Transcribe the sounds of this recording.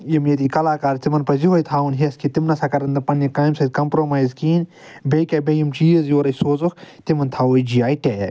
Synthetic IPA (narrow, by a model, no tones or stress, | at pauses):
jimjet̪iːkɐlaːkaːɾt̪imɐnpɐziɦojt̪ʰaːunɦiskit̪imnɐsakɐɾɐnd̪ɐpɐnːɐkaːjmsɐd̪̚kɐmpɾoːmaːjzkiːn | bekʲabejimt͡ʃiːɐzjoːɾɐjsoːzukʰt̪imɐnt̪ʰaːoid͡ʒiaːjʈeːja̰